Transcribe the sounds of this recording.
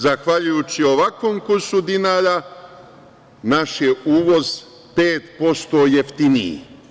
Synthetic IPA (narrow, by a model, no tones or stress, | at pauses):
zaxʋaʎujuːt͡ɕioʋakʋoːmkuɾsud̪inaːɾa | naʃjeuːʋo̞z | pe̞ːt̪po̞st̪oːjeft̪inḭ